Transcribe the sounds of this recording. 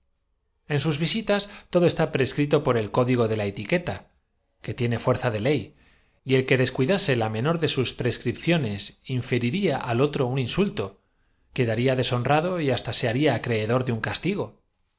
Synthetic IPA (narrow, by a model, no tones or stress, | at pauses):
ensuzβisit̪ast̪o̞ðo̞e̞st̪apɾeskɾit̪o̞po̞ɾe̞lko̞ðiɣ̞o̞ðe̞lae̞t̪ike̞t̪a | ke̞t̪je̞ne̞fwe̞ɾθaðe̞le̞j | ie̞lke̞ðe̞skwiðase̞lamẽ̞no̞ɾðe̞suspɾe̞skɾipθjo̞ne̞siɱfe̞ɾiɾiaʔalo̞t̪ɾo̞uninsult̪o̞ | ke̞ðaɾiaðe̞so̞nrað̞o̞iast̪ase̞aɾiaːkɾe̞ːðo̞ɾðeuŋkast̪iɣ̞o̞